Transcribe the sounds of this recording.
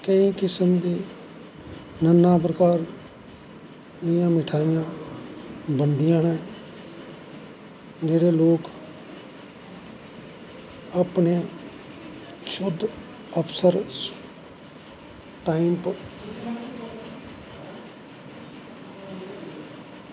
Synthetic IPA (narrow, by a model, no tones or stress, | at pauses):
kəiːkɪsəmd̪iː | nənːãːp̬ɾəkaːɾ | d̪ɪjãːmɪʈʰaːɪjãː | bənd̪ɪjãːnɛː | d͡ʒeːɽeːloːk | apneː | ʃʊd̪ | əpʰsəɾ | ʈaːimp